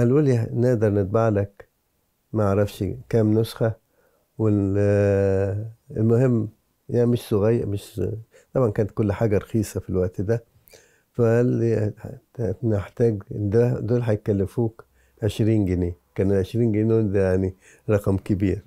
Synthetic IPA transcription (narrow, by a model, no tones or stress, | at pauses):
ʔælʔuːlneʔd̪ɑɾˤnɪt̪̚baʕlæk | mæʔʕɾˤɑfʃkæːmnosxæ | we | elmʊhemː | jæmɪʃsoɣæjːmɪʃ | t̪ˤɑbʕɑnkæːnæt̪̚kolːħaːɡæɾˤɑxiːsˤɑfilwæʔt̪d̪æ | fæl | neħt̪æːɡd̪æd̪oːlħajt̪̚kːælːɪfuːk | ʕeʃɾiːnɡeneːkæːnelʕeʃɾiːnɡeneːd̪æjaʕni | ɾˤɑqɑmkɪbiːɾ